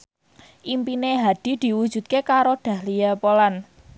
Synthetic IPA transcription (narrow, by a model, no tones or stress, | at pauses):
ʔimpineɦad̪̥i̤d̪̥i̤wud̥ʒ̥ṳt̪̚kekaɾoɖ̪̥ä̤hlijapolan